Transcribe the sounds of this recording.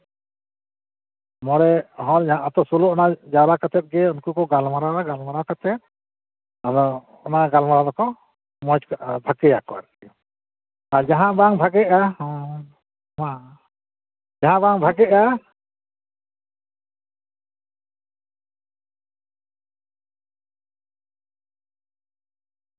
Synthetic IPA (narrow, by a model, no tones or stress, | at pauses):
mɔɾɛɦɔ̃nd͡ʒaɦãʔat̪ɔsulɔɔnad͡ʒaɾakat̪ɛt̪̚ɡɛunkukɔɡalmaɾaɾaɡalmaɾakat̪ɛt̪̚ | aɾɔ | ɔnaɡalmaɾad̪ɔkɔ | mɔt͡ʃkbʱakɛjakɔa̰ɾi | aɾd͡ʒaɦãbaŋbʱaɡɛʔah | ma | d͡ʒaɦãbaŋbʱaɡɛʔa